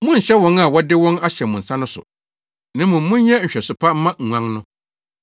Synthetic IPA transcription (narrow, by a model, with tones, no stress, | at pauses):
mʊ̃˦˨ɕɛ˦wɔ̃˨˦na˨wɔ˦dɪ˦wɔ̃˦na˦ɕɛ˨mʊ̃˨n̩˨sã˦nʊ̃˦sʊ̰˨ | nã˦mʊ̃˨m̩˦mʊ̃˦ɲɛ˦ɲ̩˨ɕᶣɛ˨sʊ˨pʰa˦m̩˦mã˦ŋ̩˨ŋʷã˦ŋnʊ̃˦